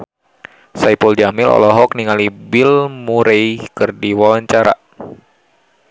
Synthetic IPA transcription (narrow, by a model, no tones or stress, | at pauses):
sajpɔld͡ʒamɪlɔ̰lɔɦɔk̚niŋalibɪlmuɾejkɨrdiwawaɲt͡ʃaɾa̰